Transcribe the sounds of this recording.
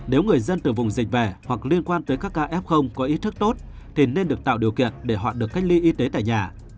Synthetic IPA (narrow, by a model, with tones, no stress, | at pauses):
ne˨˦wŋɨ˨˩əjzə˧nt̪ɨ˨˩vʊ˨˩ŋ͡mzï˨˩k̟̚vɛ˧˩hwa˨˩k̚li˧ənkwaː˧nt̪əː˨˦jkaː˦˥kːaː˧ʔɛ˦˥p̚xə˧wŋ͡mkɔ˨˦ʔi˦˥t̚t̪ɨ˦˥k̚t̪o˦˥t̚ | t̪ʰi˨˩ne˧nɗɨ˨˩ək̚t̪a̰ː˧˨wɗi˨˩əwkḭ˧˨ənɗe˧˩ɦɔ̰ː˧˨ɗɨ˨˩əkːa˦˥j̟̚li˧ʔi˧t̪e˨˦t̪a̰ː˧˨jɲaː˨˩